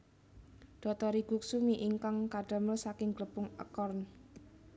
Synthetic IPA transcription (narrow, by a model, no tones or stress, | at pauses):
ɖ̪̥ɔ̤t̪ɔɾiɡ̥uk̚sumiʔiŋkaŋkaɖ̥ə̤məlsakɪŋɡləpʊŋə̰kɔrn